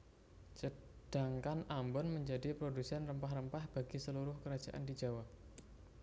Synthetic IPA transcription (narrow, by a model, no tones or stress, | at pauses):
səd̥aŋkanambɔnməɲd͡ʒadipɾodusɛnrəmpaɦɾəmpahb̥aɡisəluɾʊhkəɾad̥d͡ʒaʔa̰ndid͡ʒawap